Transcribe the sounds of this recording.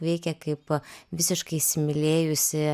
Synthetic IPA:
ʋʲɛɪkʲɛkɐɪpʋʲɪsʲɪʃkɐɪsʲɪmʲɪlʲeːjʊsʲɪ

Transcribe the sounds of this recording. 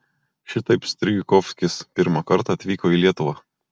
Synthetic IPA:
ʃʲɪt̪ɐɪpsʲt̪ʲɾʲɪɡʲɪkɔfʲsʲkʲɪspʲɪɾmɑkɐɾt̪ɑɐt̪ʲʋʲiːkoːiːlʲiɛt̪ʊʋɑː

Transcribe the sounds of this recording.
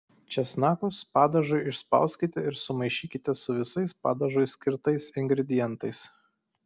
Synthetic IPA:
t͡ʃʲɛsnɑːkʊspɑːd̪ɐʒʊɪɪʃspɑ̰ˑʊsʲkʲɪt̪ʲɛɪɾsʊmɐɪʃʲiːkʲɪt̪ʲɛsʊʋʲɪsɐɪspɑ̰ːd̪ɐʒʊɪsʲkʲɪɾt̪ɐɪsɪŋʲɡɾʲɛd̪ʲɪjɛnt̪ɐɪs

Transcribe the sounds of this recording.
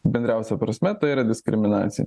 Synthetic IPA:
bʲɛnʲd̪ɾʲæˑʊsʲɛpɾɐsʲmʲɛt̪ɐɪiːɾɐd̪ʲɪskɾʲɪmʲɪnɑ̰ːt̪sʲɪjɛ̰

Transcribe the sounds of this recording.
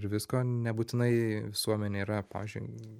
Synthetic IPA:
ɾʋʲɪskoːnʲɛbuːt̪ʲɪnɐɪʋʲɪsuɔmʲɛnʲeiːɾɐpɑ̰ːʋʲiːzʲd͡ʒʲʊ̰ɪ

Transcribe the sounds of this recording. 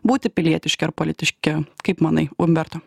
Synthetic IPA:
buːt̪ʲɪpʲɪlʲiɛt̪ʲɪʃʲkʲɪɐɾpolʲɪt̪ʲɪʃʲkʲɪkɐɪpmɑnɐɪʊmʲbʲɛɾt̪oː

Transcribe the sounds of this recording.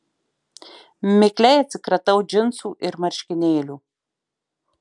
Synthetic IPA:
meklʲæjɛt͡s̪ʲɨkɾɐt̪ɐwd͡ʒɪnsuʔɪɾmɐɾʲʃʲkʲɪnʲeːlʲu

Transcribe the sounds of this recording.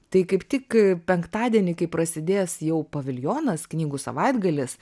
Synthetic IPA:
t̪ɐɪkɐɪpt̪ʲɪkpʲɛŋkt̪ɑːd̪ʲiɛnʲɪkɐɪpɾɐsʲɪd̪ʲeːsjɛʊpɐʋʲɪlʲjoːnɐsknʲiːɡusɐ̰ʋɐɪd̪ɡɐlʲɪs

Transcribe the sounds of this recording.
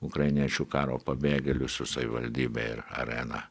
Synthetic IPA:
ʊkɾɐɪnʲiɛt͡ʃʲukɑːɾoːpɐbʲeːɡʲɛlʲʊsʊsɐʋʲɪʋɐlʲd̪ʲiːbʲɛ̰ɪ̰ɾɐ̰ɾʲɛnɐ

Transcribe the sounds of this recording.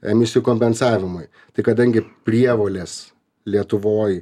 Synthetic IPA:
ɛmʲɪsʲɪjukoːmʲpʲɛnsɑːʋʲɪmʊɪ | t̪ɐɪkɐd̪ɐŋʲɡʲɪpʲɾʲiɛʋoːlʲeːs | lʲiɛt̪ʊʋoːj

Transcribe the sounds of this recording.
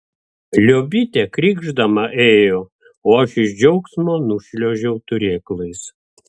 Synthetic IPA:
lʲoːbʲɪt̪ʲɛkɾʲiːɡʒd̪ɐmɐʔeːjoː | oːɐʃɪʒʲd͡ʒʲɛʊksmoːnʊʃʲlʲoːʒʲɛʊt̪ʊɾʲeːklˠɐɪs

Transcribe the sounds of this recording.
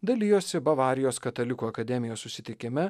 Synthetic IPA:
d̪ɐlʲiːjoːsʲɪbɐʋɑːɾʲɪjoːskɐt̪ɐlʲɪkuːɐkɐd̪ʲɛmʲɪjoːssʊsʲɪt̪ʲɪkʲɪmʲɛ

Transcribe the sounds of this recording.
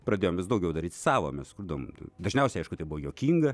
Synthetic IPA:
prɐd̪ʲeːjomʋʲɪsd̪ɐʊɡʲɛʊd̪ɐɾʲiːt̪sɑːʋo̰ːmʲɛskʊɾd̪ɐʋo̰m̰d̪ɐʒʲnʲɛʊsʲɛɪɐɪʃkʊt̪ɐɪbʊʋoːjoːkʲiːŋɡɐ

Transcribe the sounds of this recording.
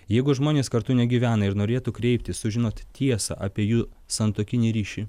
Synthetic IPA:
jɛɪɡʊʒmoːnʲeːskɐɾt̪ʊnʲɛɡʲiːʋʲæːnɐɪɾnoːɾʲeːt̪ukɾʲɛɪp̚ʲt̪ʲɪssʊʒʲɪnoːt̪t̪ʲiɛsɑ̰ːʔɐːpʲiɛjuː | sɐnt̪oːkʲɪnʲiːɾʲiːʃʲi

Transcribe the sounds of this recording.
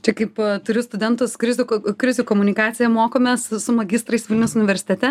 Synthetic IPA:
t͡ʃʲɛkɐɪpt̪ʊɾʲʊst̪ʊd̪ʲɛnt̪ʊskɾʲɪzʲʊkkɾʲɪzʲuːkoːmʊnʲɪkɑːt̪sʲɪjɛmoːkoːmʲessʊmɐɡʲɪst̪ɾɐɪsʋʲɪlʲnʲɛʊsʊnʲɪʋʲɛɾʲsʲɪ̥t̪ʲɛt̪ʲɛ

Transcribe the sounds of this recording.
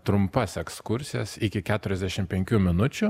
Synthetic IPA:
t̪ɾʊmpɐsɛkskʊɾʲsʲɪjɛsɪkʲɪkʲæːt̪ʊɾʲɛzd̪ʲæʃʲɪmpʲɛŋʲkʲuːmʲɪnʊt͡ʃʲʊ

